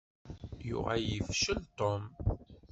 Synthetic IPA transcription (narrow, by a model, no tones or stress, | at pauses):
jʊ̰ʁajəfʃəlt̪om